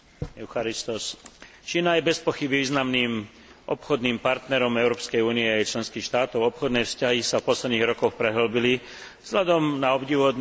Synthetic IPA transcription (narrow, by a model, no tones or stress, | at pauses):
ɛʊxaɾist̪ɔs | t͡ʃiːnajɛbɛspɔxibiʋiːznamniːm | ʔɔpxɔd̪niːmpaɾt̪nɛɾɔmɛʊɾɔːpskɛjuːniɛaɛjt͡ʃlɛnskiːxʃt̪aːt̪ɔʊɔpxɔd̪nɛjfscaɦisafpɔslɛd̪niːɣɾɔkɔxpɾɛɦl̩bili | z̥ɦlʎad̪ɔmnaɔbɟiʋɔd̪